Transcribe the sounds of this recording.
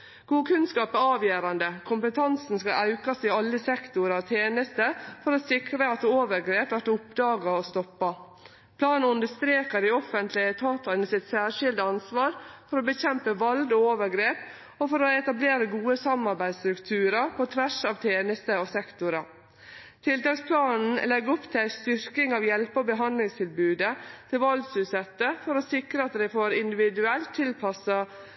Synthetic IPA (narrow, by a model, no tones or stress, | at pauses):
ɡ̥uːkʰʉnskɑːpæɾɑːʋjøːɾɑnd̪əkʰʊmpət̪ʰɑnsn̩skɑʔɑʉkɑsɪɑlːəsɛkt̪ʊɾɔt̪ʰeːnəst̪əfɔɾoːsɪkɾəɑt̪oːʋəɾɡɾeːpʋæʈʊpd̪ɑːɡɑɔst̪ɔpːɑ | pʰlɑːnʉnd̪əst̪ɾeːkəd̪ɪɔfənt̪ʰlɪət̪ʰɑːt̪ɑnəsɪt̪sæːɾʂɪld̪əɑnsʋɑːɾfɔɾoːbəçɛmpəʋɑld̪ɔoːʋəɾɡɾeːp | ɔfɔɾɔɛt̪ɑbleːɾəɡuːəsɑmɑɾbæɪst̪ɾʉkt̪ʰʉːɾəpʰɔt̪ʰʋæʂɑːʋt̪ʰeːnəst̪əɔsɛkt̪ʊɾɑ | t̪ʰɪlt̪ɑːkspʰlɑːnn̩lɛɡɔpt̪ʰæɪst̪ʏɾkɪŋɑːʋjɛlpəɔbəɦɑnd̪lɪŋst̪ʰɪlbʉːd̪ət̪ʰɪlʋɑld̪sʉːsɛt̪ːəfɔɾɔsɪkɾəɑt̪d̪æɪfoːɾɪnd̪ɪʋɪd̪ʉɛlt̪ʰːɪlpʰɑsɑ